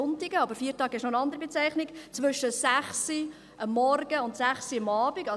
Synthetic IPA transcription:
ʊntɪɡəɑb̥əɾfiːtɑːɡɛʃnoənɑnd̪əɾibɛt͡sɛɪχnɪkt͡sʋʏʃəsæχsi | ʔəmːɔrɡ̥əʊnt̪sæχsiɑmɑːbiɡɑ

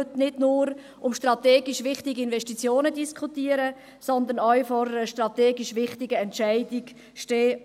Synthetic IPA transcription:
tnɪdnʊːɾ | ʊmʃtrɑt̪ɛːɡiʃʋɪχtiɡiɪnvɛʃtit͡sjoːnədiskʰχut̪iːəɾə | sɔnd̪ənœɥfɔɾəʃtrɑt̪ɛːɡiʃʋɪχtɪɡəɛntʃæɪdiɡ | ʃteː

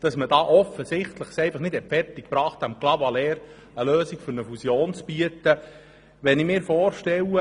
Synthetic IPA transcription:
d̥ɑsməd̥ɑːʔɔfəsɪχt̪ləχsɛɪfɑχnɪthɛtfɛrtɪk̚pɾɑːχt̪ɑmklɑvɑlɛːɾ | əløːsikfʏɾnəfusjoːnt͡sb̥iət̪ə | ʋɛnɪmɪːɾfɔːrʃtɛwə

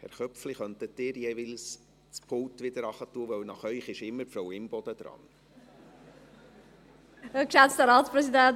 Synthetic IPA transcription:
hɛ̰ɾχœpfliχœntətdɪːɾjɛːʋɪls | t͡spʰʊltʋɪd̪əɾɑχətːuəʋœwnɑχœʏχɪʃɪmːəpfɾɔwɪmb̥ɔd̥̪əd̥̪ɾɑ̰n | əkʃɛt͡stəɾɑːtsprɛsidɛnt

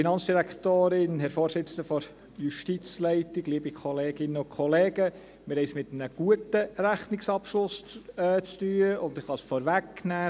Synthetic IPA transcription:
inɑnt͡sd̥iɾækt̪oːɾɪnɦɛɾfoːɾsɪt͡sən̩dəfɔɾ | juʃtit͡slɛɪtɪɡ̥liːbikʰɔleːɡ̥ɪnəʊnkʰχɔleːɡ̥ə | mɪɾhɛɪsmɪt̪ənəɡ̥uətəɾæχnɪksɑpʃlʊsɛt͡st̪yːəʔʊnd̪ɪχhɑsfɔːɾʋækːnæː

